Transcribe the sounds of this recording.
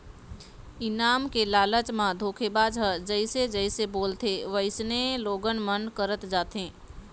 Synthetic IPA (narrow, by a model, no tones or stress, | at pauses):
ɪnaːmkelaːlət͡ʃmãd̪ʱoːkʰebaːd͡ʒɦəd͡ʒəɪsed͡ʒəɪseboːlt̪ʰeʋəɪsneloːɡənmənkəɾət̪d͡ʒaːt̪ɦẽː